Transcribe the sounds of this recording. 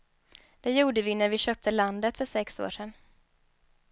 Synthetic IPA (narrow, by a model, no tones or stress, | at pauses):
d̪̥ɛjuːɖəvɪnæɾvɪɕœːp̚t̪əland̪ət̪fœʂɛkso̰ːʂɛn